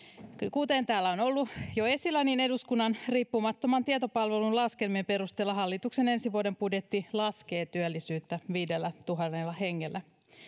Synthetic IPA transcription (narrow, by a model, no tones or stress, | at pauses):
kut̪ent̪æːlːæonolːujoe̞silænine̞duskunːɑnriːpːumɑt̪ːomɑnt̪iɑt̪o̞pɑlʋelunlɑskelmiempe̞ɾust̪elːɑɦɑlːit̪ukse̞ne̞nsiʋuodempudjet̪ːilɑske̞ːt̪yølːisyːt̪ːæʋiːdelːæt̪uɦɑnːelːɑhe̞ŋːelːæ